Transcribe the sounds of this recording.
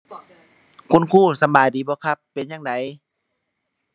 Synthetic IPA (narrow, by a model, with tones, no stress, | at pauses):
kʰu˧˥˨nkʰuː˥˩sa˨˧˦baː˨jdiː˨˦bɔː˧˦kʰa˧˩pːe˨njaː˧˨ŋda˨˦j